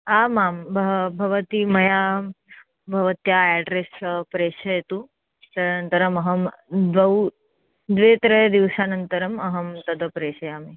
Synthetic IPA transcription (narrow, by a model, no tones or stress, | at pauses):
amaːmbʱɐbʱɐʋət̪imɐja | bʱɐʋət̪jaɛɖɾespɾeːʃɐjt̪u | t̪ɐnɐnt̪ɐɾɐmɐɦɐmd̪ʋɐw | d̪ʋeːt̪ɾɐd̪iʋʃaːnənt̪əɾɐmɐɦɐmt̪ɐd̪ɐpɾeːʃɐjaːme